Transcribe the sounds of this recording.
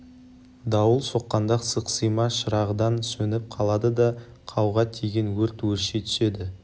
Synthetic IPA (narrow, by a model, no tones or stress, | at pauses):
d̪ɑwəlˠso̞qːɑnd̪ɑqsəqsəjmɑʃəɾɑʁəd̪ɑnsɵnɪp̚qʰɑlˠɑd̪əd̪ɑ | qʰɑwʁɑt̪ʰeɡʲenwɵɾt̪wɵɾʃet̪ʰʏ̥ʃe̞d̪ɪ